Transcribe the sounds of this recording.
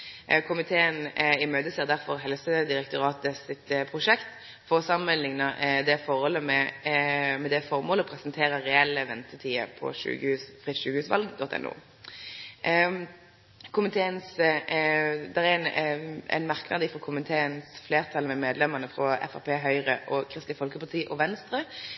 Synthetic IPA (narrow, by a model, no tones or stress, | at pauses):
kʰʊmɪt̪ʰeːənɪmøːd̪əseːʁd̪æɾfɔɾɦɛlsəd̪ɪɾək̚t̪ʊɾɑːt̪əsɪt̪pʰʁʊʂɛkt̪ | fɔsɑmənlɪŋnəd̪ɛfɔɾhɔlːəmɛ | mɛd̪ɛfɔʁmoːlɔpʰɾɛsnt̪ʰeːɾəʁɛɛlːəʋɛnt̪ət̪ʰiːə̰pʰɔ̰ʃʉ̰ːɡʉfʁɪt̪ʃʉːɡəhʉːsʋɑ̰lɡd̪ɔt̪ːɛ̰nʔṵː | kʰʊmɪt̪ʰeːəns | d̪ɛʁænɛ̰ɪnmɑʁknɑd̪əfɔʁkʰʊmɪt̪ʰeːənsfleːʁt̪ʰɑlmɛmeːd̪lɛməʁnəfʁɔɛ̰fɑʁpʰeːɦœʏʁəʔɔkʰɾɪst̪ɪfɔlkəpɑʁt̪ʰiːʔɔʋɛnst̪ɾə